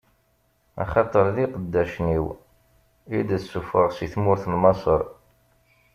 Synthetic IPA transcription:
ɑ̰χɑt̪ˤəɾˤðiqəd̪ːæʃniw | id̪æsːufəʁsiθmʊɾθlmɑsˤəɾˤ

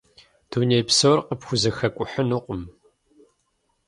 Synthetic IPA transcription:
d̥uːnejpsowrqəpxʷʊzɐxɐkʷʼʊħənuqʷʼʊm

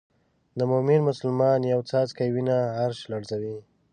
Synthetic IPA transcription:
d̪əmʊminmʊsʊlmɑnjawt͡sɑt͡skajwinahaɾʃlaɽzawi

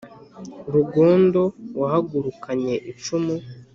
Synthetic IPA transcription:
ɾuɡo̞ːndo̞wahaɡuɾukaɲe̞ʔit͡ʃumu

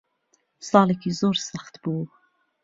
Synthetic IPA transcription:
sɑːlekʰizoːɾsaxt̪buː

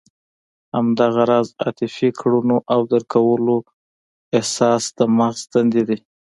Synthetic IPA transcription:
hamd̪ɑɣaɾɑzɑ̰t̪ɪfikɽunoʔawd̪əɾkawəlo | ehsɑsd̪əmaxzd̪and̪ed̪i

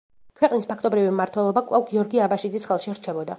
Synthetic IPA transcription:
kʰwɛqʼnispʰakʰt̪ʼɔbɾivimmaɾt̪ʰwɛlˠɔbakʼlˠavɡiɔɾɡiabaʃid̪zisχɛlˠʃiɾt͡ʃʰɛbɔd̪a

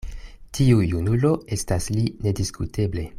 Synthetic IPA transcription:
tʰiujunulo̞e̞stasline̞diskutʰe̞ble̞

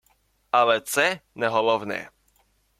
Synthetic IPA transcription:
alɛt̪sɛnɛɦɔlɔvnɛ̰

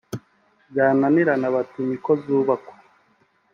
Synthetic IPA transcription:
ɟaːnaniɾanaβatuɲikozuːβakwe̥

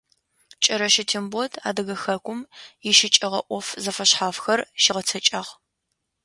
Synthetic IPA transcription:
t͡ʃʼɐɾɐʃɪtʰimbɔdʰa̰ːdɐɣɐxɐkʷʰʼʊmjɪʃɪt͡ʃʼɪʁɐ̰ʔʷɔfzɐfɐɕħaːfxɐrʃiʁɐt͡sʰɐt͡ʃʼaːʁ

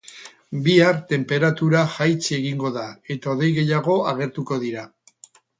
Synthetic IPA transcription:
biaɾt̪e̞mpe̞ɾat̪uɾaxajt͡seɣiŋɡo̞ðae̞t̪aoðe̞jɣe̞jaɣ̞o̞aɣe̞ɾt̪uko̞ðiɾa

